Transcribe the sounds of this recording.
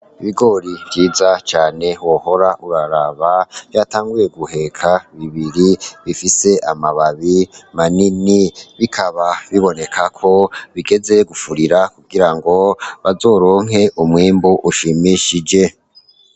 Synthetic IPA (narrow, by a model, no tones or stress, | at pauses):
iβiɡo̞ɾiβɟiːzat͡ʃaːne̞woho̞ɾaʔuɾaɾaβavjaːtaːŋɡuje̞ɡuhe̞kʰaβiβiɾiβifise̞ʔamaβaβimaniniβikʰaβaβiβo̞ne̞kʰakʰo̞βiɡe̞ze̞ɡufuɾiɾakuɡiɾaŋɡo̞βazo̞ːɾo̞ːŋɦe̞ʔumŋiːmbuʔuʃimiʃid͡ʒe̞